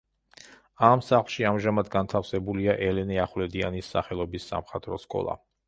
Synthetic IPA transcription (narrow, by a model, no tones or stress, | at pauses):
amsaχlˠʃiamʒamad̪ɡant̪ʰafsɛbuliaʔɛlɛnɛaχlɛd̪ianisːa̰χɛlˠɔbisːa̰mχat̪ʼɾɔskʼɔ̰lˠa̰